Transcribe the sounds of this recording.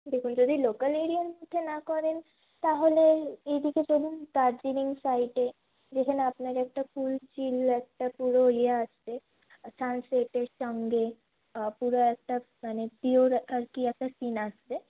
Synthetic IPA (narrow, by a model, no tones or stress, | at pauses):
d̪ekʰund͡ʒod̪ʱilokəleɾijənʈmut̪ʰːenakɔɾen | t̪aɦoleedʱiket͡ʃolunʈaɾd͡ʒiɾiŋɡsaiʈe | d͡ʒekʰəneapnaɾɛk̚ʈakult͡ʃilɛk̚ʈapuɾoieast̪e | sanseʈeʃɔŋɡe | puɾoɛk̚ʈa | manep̪ioɾəɾkiɛk̚ʈasinat͡ʃt̪e